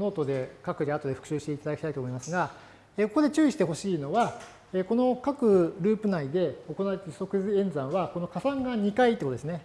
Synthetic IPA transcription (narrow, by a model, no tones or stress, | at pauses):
no̞ːt̪o̞d̪e̞kakɯ̟d̪ʲeat̪o̞d̪e̞ɸɯ̟̥kɯ̟ɕɨːɕi̥t̪eit̪ad̪akʲi̥t̪ait̪omoimasɨɡa | eːko̞ko̞d̪e̞t͡ɕɨːiɕi̥t̪e̞ɦo̞ɕiːno̞βa | eːko̞no̞kakɯ̟ɾɯ̟ːpɯ̟naid̪e̞o̞ko̞naβet̪e̥so̞kɯ̟zɨẽ̞nd͡zãɰ̃βako̞no̞kasãŋɡaɲ̟ikait̪ekot̪oesɨne̞